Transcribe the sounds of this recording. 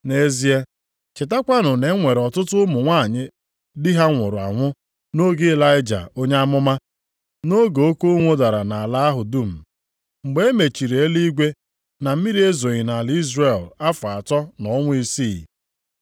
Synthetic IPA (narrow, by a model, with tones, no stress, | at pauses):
ne˦zi˦e˦ | t͡ʃɪ˨ta˦kʷa˦nʊ˨ne˨˦ŋʷe˨ɾɔ˨tʊ˦tʊ˦mʊ˨ŋʷa˦˨ɲɪ˦ | dɪ˦ɦa˦ŋʷʊ˨ɾʊ˨a̰˨ŋʷʊ˦ | no˦ɡe˦e˦la˦ɪ˦d͡ʒa̰˨o˦ɲa˦a˦mʊ˦ma˦ | no˦ɡo˨o˦ko˦ŋʷo˦da˨ɾa˨na˨a˨la˦a˦ɦʊ˨du˦m̩˨ | ŋ͡m̩˨ɡ͡be˦e˦me˨t͡ʃi˨ɾe˨e˦li˦ɡʷe˦ | na˨m̩˦mi˦ɾi˦e˦zo˨ɣɪ˨na˨li˦zre˦˨la˦fʊ˨a˨tɔ˦nɔ˨˦ŋʷʊ˦i˦si˦˨